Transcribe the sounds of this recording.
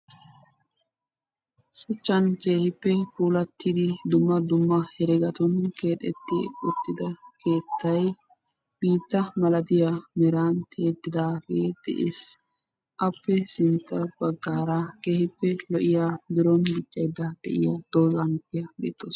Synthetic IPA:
sʊt͡ʃːɐnke̞ːhɪpːɛpuːlɐt̪ːɪd̪ɪd̪ʊmːɐd̪ʊmːɐhɛɾɛɡɐt̪ɔnke̞ːᶑ̪ɛ̰t̪ːɪ̰ʊt̪ːɪd̪ɐkʰe̞ːt̪ʰːɐj | b̥iːt̪ːɐmɐlɐd̪ɪjamɛɾaːnt̪ʰe̞ːt̪ːɪd̪aːɡeːd̪̥ɛ̰ʔeːs | ʔɐpːɛsɪnt̪ːɐb̥ɐɡːaːɾakeːhɪpːɛlɔʔɪjaːd̪ɪɾɔnbɪt͡ʃʼːɐjd̪ːɐd̪̥ɛ̰ʔɪjɐd̪̥oːzɐnt̪ːɪjɐbḛːt̪ːoːs

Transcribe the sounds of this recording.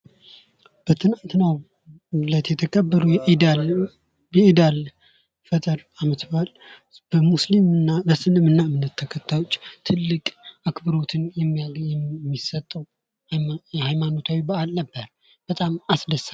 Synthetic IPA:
b̥ət̪ʰɨnant̪naw | lət̪jɛt̪ʰəkʼəbːəɾujɛʔd̪al | ɛid̪al | fət̪ʼɨɾamət̪bal | b̥əmuslimɨnabəsɨnɨmɨnːaɨmnːət̪ʰːəkʰət̪ʰːajo̞t͡ʃʼːt̪ʰɨlːɨkʼʔakbəɾo̞t̪ʰɨnjɛmːijaɡɛmːisət̪ʼːəw | hajmano̞t̪ʰawibəʔalnəbːəɾ | b̥ət̪ʼamasd̪əsa

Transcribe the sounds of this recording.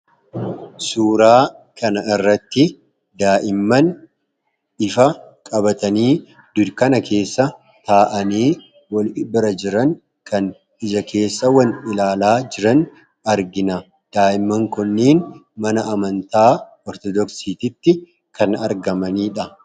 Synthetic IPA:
suːɾaːkɐnɐɪrːɐt̪ːɪ | d̪aːʔɪmːɐn | ɪfɐkʼɐbɐt̪ɐniː | d̪̥ʊd̪kɐnɐkʰe̞ːsːɐ | t̪aːʔɐniː | wɐlɪbɪɾɐd͡ʒɪɾɐŋ | kɐn | ɪd͡ʒɐkʰe̞ːsːɐwɐnɪlaːlaːd͡ʒɪɾɐn | ɐɾɡɪnɐ | d̪̥aːʔɪmːɐŋkɔnːiːnmɐnɐʔɐmɐnt̪aː | ɔɾt̪ɔd̪ɔksiːt̪ɪt̪ːɪ | kʰɐnɐ̰ɾɡɐmɐniːᶑɐ

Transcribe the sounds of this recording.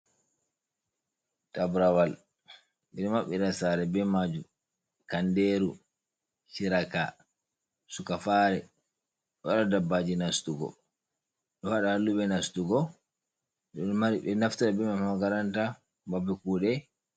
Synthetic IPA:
tabɾawal | ɓiɾimaɓːiɾasaɾɛbɛmad͡ʒu | kandeɾu | t͡ʃiɾaka | sukafaɾɛ | ɗwaɗadabːad͡ʒinastuɡɔ̰ | ɗɔwaɗahalːubɛnastuɡɔ | ɗɔmaɾiɓɛnaftaɗabɛmamhaɡaɾanta | babɛkuːɗɛ

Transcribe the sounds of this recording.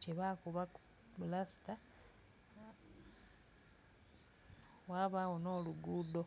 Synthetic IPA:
t͡ʃeβakuβaku | blasi̥ta | waβawono̞ːluɡuːdo

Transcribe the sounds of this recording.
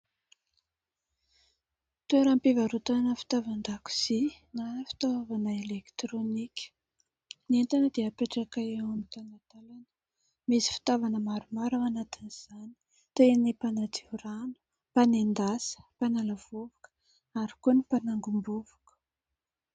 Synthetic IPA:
t̪ueɾampivaɾut̪anəfi̥t̪avand̪aku̥z̥i | nanəfi̥t̪aavanəelekt̪ɾonikʲə̥ | nient̪anəd̪eapeʈ͡ʂakaeewamit̪anat̪alanə | misi̥fi̥t̪avanəmaɾumaɾawanat̪iniz̥ani̥ | t̪enipanat͡siuɾanu̥ | panend̪asə̥panalav̥uvakə̥ | aɾi̥kunipanaŋɡumbuvu̥kə̥

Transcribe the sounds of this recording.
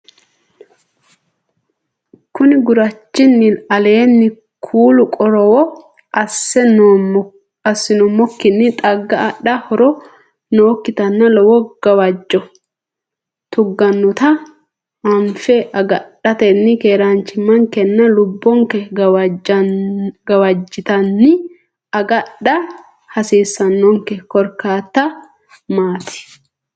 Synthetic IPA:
kʊnɪɡʊɾɐt͡ʃːɪnːɪɐle̞ːnːɪ | kʰuːlʊkʼɔɾɔwɔ | ʔɐsːɛ | ɐsːɪnɔmɔkːɪnːɪt̪ʼɐɡːɐːɗɐhɔɾɔ | noːkːɪt̪ɐnːɐlɔwɔɡ̥ɐwɐd͡ʒːɔ | t̪ʊɡːɐnːʊt̪ɐ | ɐɱfɛʔɐɡɐᶑɐt̪ɛnːɪkeːɾaːnt͡ʃɪmːɐŋkɛnːɐlʊbːɔŋkɛ | ɡɐwɐd͡ʒːɪt̪ɐnːɪ | ɐɡɐɗɐ | hɐsiːsːɐnːɔŋkɛkɔɾkaːt̪ːɐ | maːt̪ɪ̥

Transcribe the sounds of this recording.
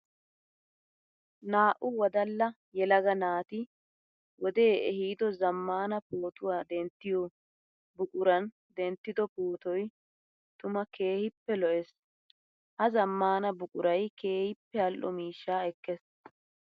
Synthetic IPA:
naːʔʊwɔd̪ɐlːɐ | jɛlɐɡɐnaːt̪ɪ | wɔd̪e̞ːʔɛhiːd̪ɔzɐmːaːnɐpoːt̪ʊwaːd̪ɛnt̪ːɪjɔ | bʊkʼʊɾɐn | d̪ɛnt̪ːɪd̪ɔpoːt̪ɔj | t̪ʊmɐke̞ːhɪpːɛlɔʔɛs | hɐzɐmːaːnɐbʊkʼʊɾɐjke̞ːhɪpːɛɐlʔːɔ̰miːʃːaːɛkːɛs

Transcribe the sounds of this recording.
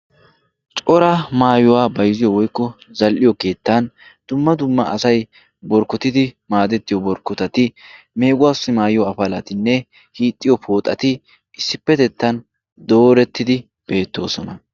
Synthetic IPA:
t͡ʃʼɔɾɐmaːjʊwaːbɐjzɪjɔwɔjkːɔzɐlʔɪjɔke̞ːt̪ːɐn | d̪̥ʊmːɐd̪ʊmːɐʔɐsɐj | bɔɾkːɔt̪ɪd̪ɪmaːd̪ɛt̪ːɪjɔbɔɾkːɔt̪ɐt̪ɪ | me̞ːɡʊwaːsːɪmaːjɪjɔɐfɐlɐt̪ɪnːɛ | hiːt̪ʼːɪjɔpʰo̞ːt̪ʼːɐt̪ɪ | ɪsːɪpːɛt̪ɛt̪ːɐn | d̪o̞ːɾɛt̪ːɪd̪ɪ | b̥e̞ːt̪ːo̞ːsɔnɐ

